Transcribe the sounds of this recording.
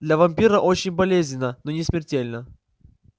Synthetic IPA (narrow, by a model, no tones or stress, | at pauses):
d̪lʲɐvɐmʲpʲiɾəʔot͡ɕɪnʲbɐlʲezʲnʲɪnənonʲɪsmʲɪrtʲelʲnə